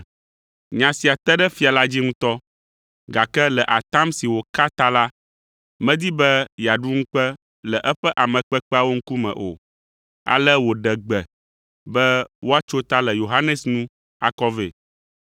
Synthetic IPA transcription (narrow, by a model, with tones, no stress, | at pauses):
ɲã˨si˨a˨t̪ɛ˦ɖɛ˦fi˨a˨la˦d͡ʑi˦ŋũ˦t̪ɔ˦ | ɡa˨kɛ˦lɛ˨ʔa˨t̪a˦msi˨wo˨ka˦t̪a˦la˦ | mɛ̃˦d̪i˦bɛ˦ja˨ɖu˦ŋ̩̃˦k͡pɛ˦ | lɛ˨ʔɛ˦ɸɛ˦ʔa˨mɛ̃˨k͡pɛ˦k͡pɛ˦a˨wo˦ŋ̩˦ku˦mɛ̰̃˨ʔo̰˨ | a̰˨lɛ˦wo˨ɖɛ˨ɡ͡bɛ˨ | bɛ˦wo˦a˦t͡ʃo˦t̪a˦lɛ˨jo˨ɦa˦nɛ˨snũ˦ | a̰˦kɔ˦ve˨